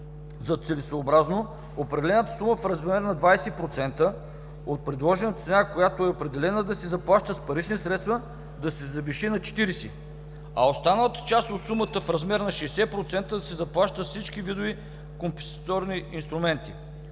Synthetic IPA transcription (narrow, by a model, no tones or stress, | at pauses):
zɐt̪sɛlisoobɾazno | opɾɛd̪ɛlɛnət̪ə̥suməfɾɐzmɛɾnɐd̪vajsɛpɾot̪sɛnt̪ə | ot̪̚pɾɛd̪lˠɔʒɛnət̪ət̪sɛnakojat̪oɛopɾɛd̪ɛlɛnəd̪ɐsɛzɐplˠaʃt̪əspɐɾit͡ʃnisɾɛt̪st̪və | d̪ɐsɛzɐviʃinɐt͡ʃɛ̥t̪iɾisḭ | ɐost̪anəlˠət̪ə̥t͡ʃast̪ot̪sumət̪əfɾɐzmɛɾnɐʃɛːsɛpɾot̪sɛnt̪əd̪ɐsɛzɐplˠaʃt̪əsit͡ʃkivid̪ovi | kompɛst̪ɔɾniʔinst̪ɾumɛnt̪i